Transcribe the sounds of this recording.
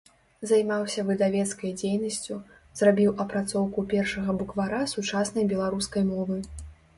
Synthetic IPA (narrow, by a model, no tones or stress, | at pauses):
zajmawsʲɐvɨd̪avʲɛt̪skɐjd͡zʲejnɐsʲt͡sʲu | zrabʲiwʔɐpɾat̪sɔwkupʲɛrʂɐɣɐbukvaɾasut͡ʂasnɐjbʲɛlˠaɾuskɐjmɔvɨ